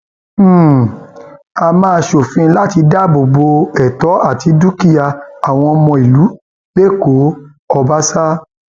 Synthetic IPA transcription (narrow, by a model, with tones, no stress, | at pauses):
a˧mãː˦˧ʃo˨fĩ˧˦la˦ti˧da˦bo˨bo˧ɛ˨tɔ˨˦a˦˨ti˨˦du˦ki˦ja˧a˨w̃ɔ̃˧mɔ̃˧i˨lu˨˦ | le˦˨ko˨˦ | ɔ˧ba˦sa˦